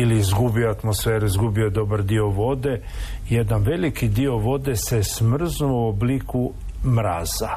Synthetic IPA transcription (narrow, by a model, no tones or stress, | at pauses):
iliːzɡubioat̪mosfeːɾuizɡubio̞d̪o̞baɾd̪io̞ʋo̞d̪e̞ | jed̪anʋe̞likid̪io̞ʋo̞d̪e̞se̞smr̩znuobliku | mɾaːz̥a